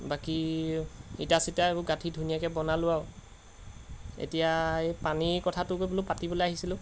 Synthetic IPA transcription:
baki | itasitaebuɡatʰidʱunijakɛbɔnalʊaʊ | ḛtijaepanikɔtʰatʊkojbolopatibɔlejaɦisilʊ̃

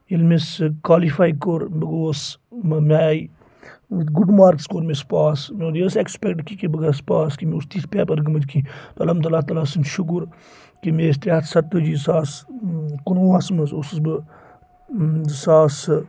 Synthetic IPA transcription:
elmeskwaːlifaːjkoɾbɨɡoːsmmʲaːj | ɡuɖmaːɾkskoːɾmespaːsmeɾjesekspekʈkikibɐɡaspaːskimeust̪iːspeːpɐɾɡɐmɐd͡ʒkʰĩːt̪oɐ̰lɐmt̪̬ɐlaːt̪aːlaːsɐnʃʊk̬uɾ | kimest̪ʲaɐt̪sɐt̪ːud͡ʒisaːskunoːɐsmɐzosɨzbɨ | saːs

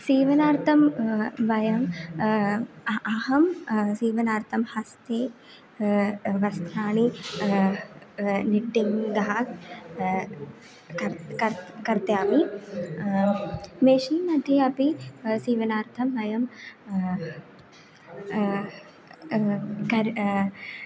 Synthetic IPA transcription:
siːʋɐnaːɾt̪ʰɐmʋɐjɐm | ɐɦɐmsiːʋɐnaːɾt̪ʰɐmhɐst̪eː | ʋɐst̪ʰaːɳi | niʈːiŋd̪ɐɦaːk | kɐɾkɐɾkɐɾt̪jaːmi | meːʂiːmɐt̪iɐpisiːʋɐnaːɾt̪ʰɐmʋɐjɐm | kɐɾ

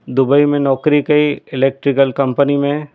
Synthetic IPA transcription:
d̪ʊbəimẽnɔːkɾikɐiɪleːk̚ʈɾɪkəlkɐ̃mpənimẽ

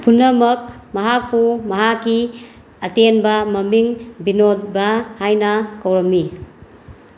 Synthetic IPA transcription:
pʰunːɐmɐk̚mɐɦak̚pumɐɦakːi | ɐtenbɐmɐmiŋbinolbɐhajnɐkɐwɾɐmːi

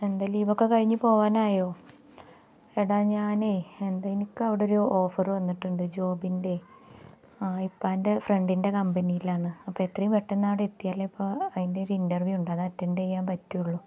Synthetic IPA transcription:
e̞nd̪aliːbo̞kːe̞kɐɻiɲːupo̞ːʋaːnaːjo̞ː | eɽaɲaːneːend̪aːjinikːɨɐʋiɽeo̞ɾuo̞ːfɐrʋɐnːiʈːuɳɖɨd͡ʑo̞ːbinde̞ | ipːaːnde̞fre̞ɳɖinde̞kɐmbɐnijilaːɳɨɐpːoet̪rɐjumʋeʈːenːaːʋiɽeet̪ːijaːlːeipːoɐðinde̞o̞ɾuindɐrʋjuuɳɖaːðɨɐtːɐndejːaːmpɐtːujuɭːu

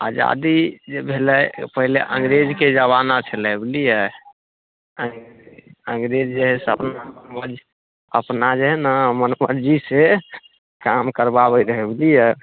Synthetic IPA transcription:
a̰d͡ʒa̰d̪id͡ʒebʱelɛjpəɦilḛʔə̰̃ŋɡɾed͡ʒked͡ʒəβanat͡ʃʰəlɛblijɛ | əŋɡeəŋɡɾed͡ʒd͡ʒeɦɛsə̰pnamənməd͡ʒ | ə̰pnad͡ʒeɦɛnamənməɾd͡ʒise | kamkəɾbabəɾəɦeblijɛ

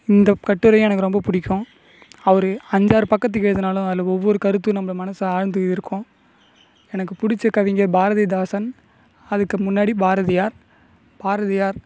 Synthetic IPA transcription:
ɪnd̪ɐkɐʈːɯɾɐj̃ɛnɐkːɯɾɔmbɐpʊɽɪkʲːʊ̃ | ɐʋɐɾɯɐɲd͡ʒaːɾpɐkːɐt̪̬ːɯkːeːɐðɐnaːlʊ̃ɐðɪlɐɔʋːɔɾɯkɐɾɯt̪̬ːɯnɐmːɯɭɐmɐnɐsɯaːɻnd̪ɯɪɾɯkʰːʊ̃ | ɛnɐkːɯpʊɽɪt͡ʃːɐkːɐʋɪŋɡɐɾbaːɾɐðɐd̪aːsɐn | ɐðɯkːɯmʊnːaːɽibaːɾɐðɪjaːɾ | b̥aːɾɐðɪjaːɾ

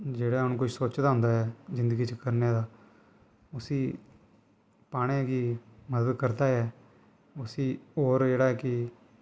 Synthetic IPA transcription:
d͡ʒeːɽaːɦʊnũːkʊʃsoːt͡ʃd̪aːɦʊ̃nd̪aːɦɛːzɪ̃nd̪əɡiːt͡ʃəkəɾneːd̪aː | ʊsiː | paːɽeːkiməd̪əd̪kəɾd̪aːɛː | ʊsiːɦoːɾd͡ʒeːɽaːɛkɪ

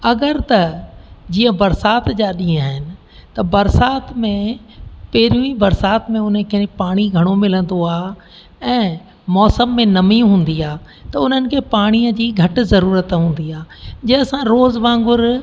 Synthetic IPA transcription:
ɐɡəɾt̪ɐd͡ʑiːə̃bɐɾsaːt̪d͡ʑaːɗĩːaːɦɪnɪ̆ | t̪ɐbɐɾsaːt̪mẽpɐːɾũĩbɐɾsaːt̪mẽʊn̤ə̆kʰepaːɽ̃iɡʱɐɽ̃omɪlə̃nd̪oaː | ɛ̃ː | mɔːsəmːẽnɐmiɦũːn̆d̪iaː | t̪ɐʊn̤ənɪ̆kʰeːpaːɽ̃iəd͡ʑiːɡʱɐʈ̆zɐɾuːɾət̪ɦũːn̆d̪iaːd͡ʑɐsãɾoːzʋãːŋɡʊɾ

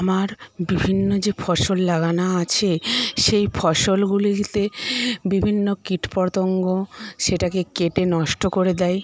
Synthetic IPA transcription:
amaɾbibʱinːod͡ʑefʰɔʃolːaɡanaat͡ɕʰeʃejfʰɔʃolɡuliɡit̪ebibʱinːokiʈpɔɾt̪oŋɡoʃeʈakekeʈenɔʃʈokoɾed̪ɛj

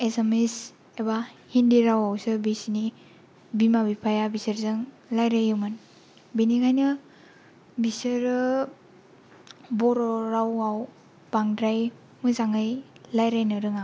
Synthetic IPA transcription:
esemes | ebahindiɾawawsɯbisini | bimabipʰajabisɯɾzɯŋ | lajɾajɯmɯn | biniŋajnɯ | bisɯɾ | bɔɾɔɾawaw | b̥aŋdɾaj | mɯzaŋajlajɾajnɯɾɯŋa

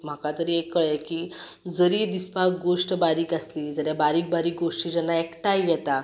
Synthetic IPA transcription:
m̤akat̪əɾiːekːəɭekiːd͡zəɾiːd̪ispakɡoʂʈbaɾiːkaslid͡zəɾjabaɾiːk̚baɾiːk̚ɡoʂʈiːd͡ʑənːaekʈajɛt̪a

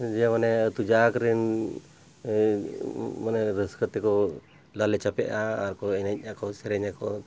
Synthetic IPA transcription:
d͡ʒamanɛt̪ud͡ʒakɾin | manɛɾəskət̪ɛkɔ | lalɛt͡ʃapɛʔaːɾkɔɛnaɲ̚akɔsɛɾɛɲakɔ

